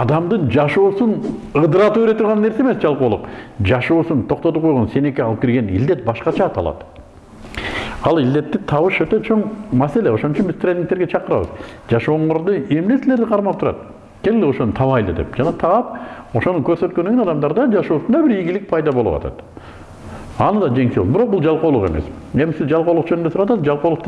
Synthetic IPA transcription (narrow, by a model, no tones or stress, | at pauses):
ɑd̪ɑmd̪ɯnd͡ʒɑʃuːsunɯd̪ɯɾɑt̪uːeɾe̞t̪uɾʁɑnːe̞ɾseme̞sd͡ʒɑlˠquːlˠṵqd͡ʒɑʃuːsunt̪ʰo̞q̚t̪o̞t̪up̚qojʁo̞nse̞ne̞keɑlˠɯp̚kʲiɾɡe̞nḭld̪e̞t̪̚bɑʃqɑt͡ʃɑːt̪ʰɑ̰lˠɑ̰t̪ | ɑlˠild̪e̞t̪ːit̪ʰɑβɯʃøt̪ø̞t͡ʃʰo̞ɴmæse̞leo̞ʃo̞nut͡ʃunbizt̪ɾʲenʲːiŋk̚t̪eɾɡe̞t͡ʃʰɑqɯɾɑ̰βɯ̰zd͡ʒɑʃo̞ːɴoɾd̪ue̞mne̞sile̞ɾd̪iqʰɑɾmɑp̚t̪ʰuɾɑ̰t̪ | kʰʲe̞lʲɡɪleo̞ʃonɯt̪ʰɑβɑjlɯ̰d̪e̞̰pd͡ʒɑnɑt̪ʰɑɑp̚o̞ʃonukøɾsø̞t̪køneɡenɑd̪ɑmd̪ɑɾd̪ɑd͡ʒɑʃoːsund̪ɑbiɾijɡilik̚pʰɑjd̪ɑbolˠṵwɑ̰ɑ̰t̪ | ɑnɯd̪ɑd͡ʒe̞ŋselʲbiɾo̞q̚bulˠd͡ʒɑlˠqoːlˠuqe̞me̞̰s | e̞misizd͡ʒɑlˠqolˠuqd͡ʒønynd̪esuɾawɑt̪ɑsd͡ʒɑlˠqolˠuqt̪